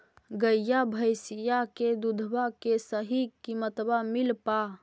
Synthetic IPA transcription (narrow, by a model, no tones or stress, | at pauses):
ɡəijabʱəjsijaked̪ud̪ʱbakesəɦikimət̪bamilpa